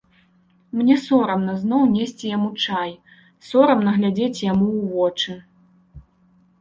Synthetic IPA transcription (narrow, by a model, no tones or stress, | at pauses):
mnʲɛsɔɾɐmnɐznɔwnʲesʲt͡sʲijamut͡ʂaj | sɔɾɐmnɐɣlʲad͡zʲet͡sʲjamuːvɔt͡ʂɨ